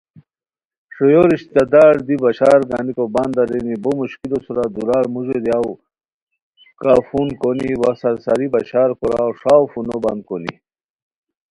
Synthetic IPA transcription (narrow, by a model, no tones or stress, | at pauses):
ʂojoɾiɕt̪ɐd̪aːɾd̪ibaɕaːɾɡa̰nikoband̪aɾenibomuɕkilosuɾad̪uɾaːɾmuʑed̪iaw | kaːfunkoniwasɐɾsaɾibaɕaːɾkoɾa̰wʂaːwfunobɐ̰nd̪̚konḭ